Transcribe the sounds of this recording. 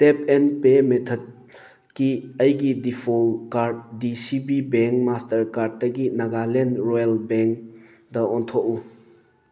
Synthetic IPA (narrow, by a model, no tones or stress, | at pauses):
tepenpemetʰɔd̚ | kiəjɡidipʰolkaɾdːisibibeŋkmastɐɾkaɾd̚ːɐɡinɐɡalenɾojalbeŋk | dɐɔntʰoʔu